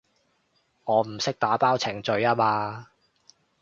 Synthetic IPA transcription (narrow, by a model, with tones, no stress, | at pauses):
ŋɔː˨˧m̩˨˩sɪ˥k̚t̪aː˨˥paː˥wt͡sʰɪ˨˩ŋt͡ʃɵ˨˧ɥaː˥maː˧